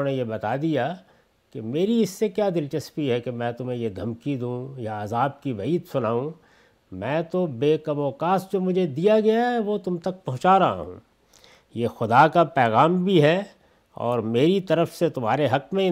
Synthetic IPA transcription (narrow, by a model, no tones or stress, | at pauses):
nejebɐt̪ad̪ija | kemeːɾiɪsːekjaːd̪ɪlt͡ʃɐspiɦɛkemɛ̃ːt̪ʊm̤ɦẽjed̪ʱɐmkid̪ũːjaːzaːb̚kiʋɐiːt̪sʊnaːũ | mɛ̃ːt̪obeːkɐmɔːkaːsd͡ʒoːmʊd͡ʒʱed̪ijaɡɐjaɦɛʋot̪ʊmt̪ɐk̚pɐɦʊ̃t͡ʃaɾɐɦa̰ɦṵ̃ː | jeːxʊd̪akapɛːɣaːmbʱiɦɛ | ɔ̰ːɾmeːɾit̪ɐɾəfset̪ʊmɦaːɾeɦɐkmẽ